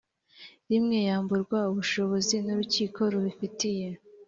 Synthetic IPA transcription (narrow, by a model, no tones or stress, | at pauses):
ɾimŋejaːmbuɾɡwauβuʃo̞βo̞zinuɾuciːkʰo̞ɾuβifitije̞